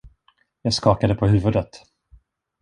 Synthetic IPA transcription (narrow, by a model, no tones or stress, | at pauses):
jɑːɡskɑːkad̪əpʰɔɦʉ̟ːvɵd̪ət̪